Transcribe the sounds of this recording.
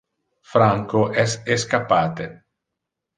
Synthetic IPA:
fɾaŋkoʔɛseskapːaːt̪e

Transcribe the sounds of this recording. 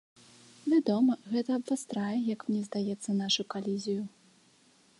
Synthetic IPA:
vʲad̪ɔmɐɣɛt̪ɐːbvast̪ɾajɛjɐkmnʲɛzd̪ajɛt̪sːɐnaʂukalʲizʲiju

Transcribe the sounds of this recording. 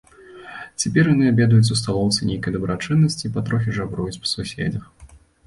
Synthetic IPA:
t͡sʲɛpʲɛɾjanɨabʲɛd̪ujut͡sʲust̪alˠɔwt̪sɨnʲejkɐjd̪ɐbɾat͡ʂɨnːɐsʲt͡sʲipɐt̪ɾɔx̬ʲiʐabɾujut͡sʲpɐ̥susʲḛd͡zʲɐx

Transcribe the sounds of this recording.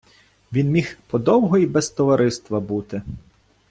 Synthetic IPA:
ʋʲinmʲixpɔd̪ɔwɦɔibɛst̪ɔʋɐɾɪst̪ʋɐbut̪ɪ

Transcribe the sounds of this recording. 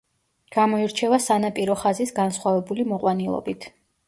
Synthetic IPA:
ɡ̥amɔiɾt͡ʃʰɛvasanapʼiɾɔχazisɡansχwavɛbulimɔqʼwanilˠɔ̰bit̪ʰ

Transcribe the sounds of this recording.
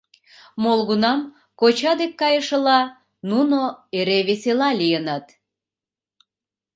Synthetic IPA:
molɣunɑm | kot͡ɕɑd̪ekːɑjəʃə̆lɑ | nunoeɾeβeselɑlʲijənɑt̪

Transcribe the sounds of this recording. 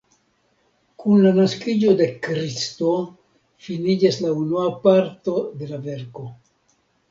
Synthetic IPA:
kunlanaskid͡ʒo̞de̞kɾisto̞ | finid͡ʒaslaunuapaɾto̞de̞lave̞ɾko̞

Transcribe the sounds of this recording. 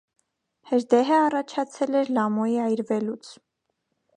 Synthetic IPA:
hɛɾd̪ɛɦəɑrɑt͡ʃʰɑt͡sʰɛlɛɾlɑmɔjiɑjɾvɛlut͡sʰ

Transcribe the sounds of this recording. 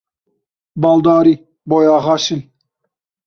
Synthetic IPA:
bɑːld̪ɑːɾi | bojɑːɦɑʃin

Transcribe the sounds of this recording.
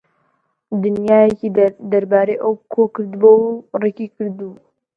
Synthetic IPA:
d̪ɨnjaːjekid̪ɐɾbaːɾejʔɐwkʰokɨɾd̪bowrekikɨɾd̪u

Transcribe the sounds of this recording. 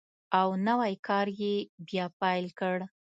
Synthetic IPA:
awnawajkʰɑɾjebjɑpajlkəɽ

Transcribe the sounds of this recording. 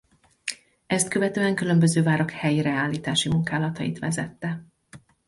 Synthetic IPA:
ɛst̪kø̞vɛt̪øːɛŋkylø̞mbø̞zøːvaːɾɒkhɛjiɾɛaːlːiːt̪aːʃimuŋkaːlɒt̪ɒjḭt̪ʋɛzɛt̪ːɛ

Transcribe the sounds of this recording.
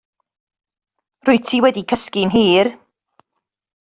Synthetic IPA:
rʊɨtʰiwɛdikʰəskɪnɦiːr

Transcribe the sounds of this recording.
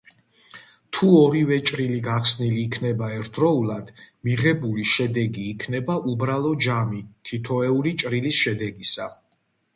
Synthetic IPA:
t̪ʰuɔɾivɛt͡ʃʼɾiliɡaχsniliːkʰnɛbaɛɾt̪ʰɾɔulˠad̪̥miʁɛbuliʃɛd̪ɛɡiːkʰnɛbaʔubɾalˠɔd͡ʒamit̪ʰit̪ʰɔɛulit͡ʃʼɾilisʃɛd̪ɛɡisa

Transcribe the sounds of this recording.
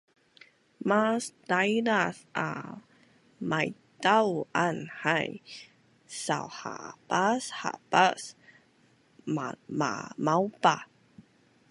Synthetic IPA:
masdajnasa̰ | majtawanhaj | sa̰wha̰pasha̰pas | mama̰mawpa

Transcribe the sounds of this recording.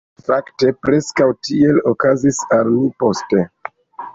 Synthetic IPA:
fakte̞pɾe̞skawtie̞lo̞kazisalmipo̞ste̞

